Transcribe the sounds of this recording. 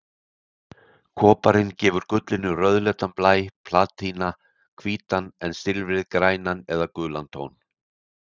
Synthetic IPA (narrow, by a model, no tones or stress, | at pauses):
kʰɔːpaɾɪncɛːvʏɾkʏt̪lɪnːʏrœðlɛːt̪anplaːjpʰlaːt̪ʰina | kʰv̥iːt̪anɛnst̪ɪlvɪðkɾaːjnanɛðakʏːlant̪ʰo̰wn